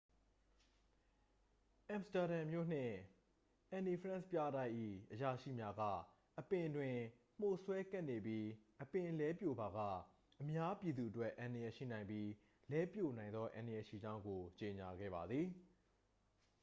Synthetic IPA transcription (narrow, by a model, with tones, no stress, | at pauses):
ʔã˨msta˨ɾã˨mjo̰˦˨n̥ɪ̰̃˦˨ | ʔɛ̃˨ni˨pʰəɹã˦˨spja˦˨ɾã˦ɪ̃ʔḭ˦˨ʔəja˨ʃḭ˦˨mja˦ɡa̰˦˨ | ʔəpɪ̃˨dwɪ̃˨m̥o˦˨swɛ˦kɛ˦ʔne˨bji˦ʔəpɪ̃˨lɛ˦pjo˨ba˨ɡa̰˦˨ | ʔəmja˦pji˨d̪u˨ʔətwɛ˦ʔã˨ndə˨jɛ˨ʃḭ˦˨nã˨ɪ̃mbpji˦ | lɛ˦pjo˦˨nã˨ɪ̃nd̪ðɔ˦ʔã̰˨ndə˨jɛ˨ʃḭ˦˨d͡ʑã˦ʊ̃ŋɡo˨t͡ɕe˨ɲa˨ɡɛ̰˦˨ba˨d̪ði˨